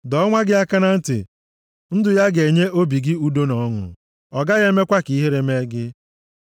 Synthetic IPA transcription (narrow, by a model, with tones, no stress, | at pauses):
dɔ˦ŋʷa˦ɡɪ˦a˦ka˦na˦n̩˦tɪ̰˨ | n̩˦dʊ˨ja˦ɡe˨ɲe˦o˦bi˨ɡɪ˦u˦do˦nɔ˨˦ŋʊ̰˨ | ɔ˨ɡa˦ɣe˦me˦kʷa˦ki˨i˦ɦe˦ɾe˨me˦ɡɪ˦